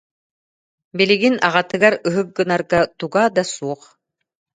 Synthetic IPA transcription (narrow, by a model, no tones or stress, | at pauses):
biliɡinaʁat̪ɯɡaɾɯɦɯk̚ːɯnaɾɡat̪uɡaːd̪asuɔχ